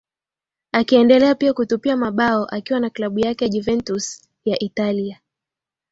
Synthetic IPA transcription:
akiɛndɛlɛapiakutupiamaɓaɔʔakiwanaklaɓujakɛjaʄuvɛntus | jaʔitalia

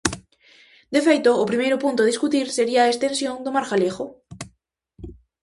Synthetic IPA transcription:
d̪efejt̪oːpɾimejɾʊpunt̪ʊðiskut̪iɾseɾiaest̪ẽnsjõŋd̪omaɾxalexo

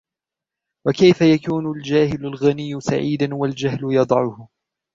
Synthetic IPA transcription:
wakajfajakuːnʊld͡ʒaːhɪlʊlɣanɪjːʊsaʕiːd̪anwald͡ʒahlʊjɑd̪ˤɑʕʊhʊ

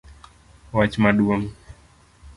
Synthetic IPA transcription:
wat͡ʃmaɗuaŋ

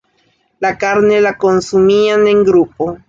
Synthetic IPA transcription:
lakaɾne̞lako̞nsumiane̞ŋɡɾupo

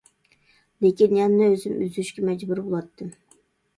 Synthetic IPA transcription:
lekʲinjɛmnɪøzɪmyzyʃkʲɛmɛd͡ʒbuɾbolˠɑt̪ʰːɨ

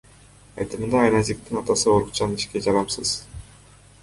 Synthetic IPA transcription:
ɑ̰jt̪ɯmɯnd̪ɑːjnɑzik̚t̪inɑt̪ɑsɯoɾuqt͡ʃɑniʃked͡ʒɑɾɑmsɯz̥

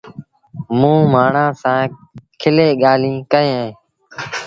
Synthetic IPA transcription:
mũːmaːɳãːsãːkʰɪleːɠaːlĩːkəẽːẽː

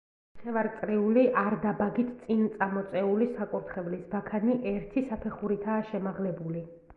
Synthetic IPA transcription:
aχɛvaɾt̪sʼɾiuliʔaɾd̪abaɡit̪ʰt̪sʼint̪sʼamɔt̪sʼɛulisakʼuɾt̪ʰχɛvlisbakʰaniʔɛɾt̪ʰisapʰɛχuɾit̪ʰaːʃɛmaʁlɛbuli

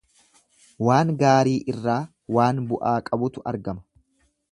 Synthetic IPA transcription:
waːŋɡaːɾiːʔɪrːaː | waːnbʊʔaːkʼɐbʊt̪ʊɐ̰ɾɡɐmɐ̥

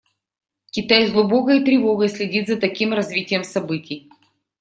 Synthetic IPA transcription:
kʲɪt̪ajzʲɡlˠʊbo̞kəit̪ɾʲɪvoɡəjsʲlʲɪdʲit̪zɐt̪ɐkʲimrɐzvʲitʲɪjəmsɐbɨtʲɪj

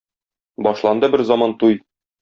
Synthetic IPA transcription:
bɒʃlˠɑnd̪ɤbɘɾzɒmɑnt̪uj

